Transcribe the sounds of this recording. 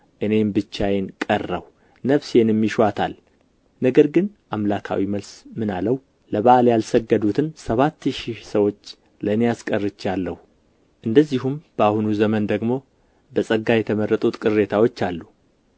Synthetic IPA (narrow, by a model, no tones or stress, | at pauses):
ʔɨne̞mbɨt͡ʃːajenkʼərːə̰w | nəfsjenɛmːiʃat̪ʰa̰l | nəɡəɾɡɨn | ʔamlakʰa̰wiməlsmɨna̰ləhu | ləβaʔljalsəɡːəd̪ut̪ʰɨnsəβat̪ːʃisəwo̞t͡ʃː | lənijaskʼərːɨt͡ʃːalːəhu | ʔɨnd̪əzːiɦumb̥əahunuzəmənd̪əɡmo̞ | bəsʼəɡːajɛt̪ʰəmərːət̪ʼut̪kʼɨre̞t̪ʰawot͡ʃːalːu